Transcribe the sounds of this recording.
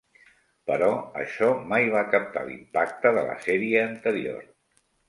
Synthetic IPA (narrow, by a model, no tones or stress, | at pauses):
pəɾɔə̰ʃɔmajβ̞akəp̚t̪a̰lḭmpak̚t̪əðə̰lə̰sɛɾiəːnt̪əɾio̰r